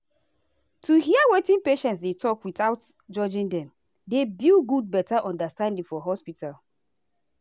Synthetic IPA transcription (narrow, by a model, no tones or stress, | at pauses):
tuɦiawetĩnpeʃɛ̃ntsdetʰɔkwiθaʊtd͡ʒɔd͡ʒĩŋdɛ̃m | debilɡud̚bɛtaʔɔ̃ndastãndĩŋfɔɦɔspitʰal